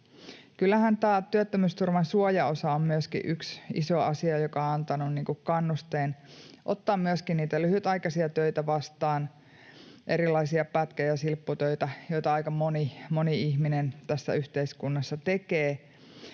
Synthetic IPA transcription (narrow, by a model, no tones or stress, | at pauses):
kylːæhænt̪æːt̪yøt̪ːømyst̪urmɑnsuojɑosɑommyøskḭʔyksḭsoɑ̰siɑjokɑɑnt̪ɑnunniːŋkukkɑnːust̪eːnʔot̪ːɑːmmyøskinniːt̪ælyhyt̪ɑjkɑsiɑt̪øit̪æʋɑst̪ɑːn | ʔeɾilɑisiɑpæt̪kæjɑsilpːut̪øit̪æjoit̪ɑɑikɑmonimoniiçminent̪æsːæ̰yht̪eiskunːɑsːɑt̪ekeː